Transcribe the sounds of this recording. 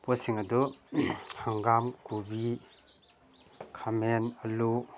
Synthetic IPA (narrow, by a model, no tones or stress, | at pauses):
pɔsiŋɐdu | hʰaŋɡamkubi | kʰamenɐlu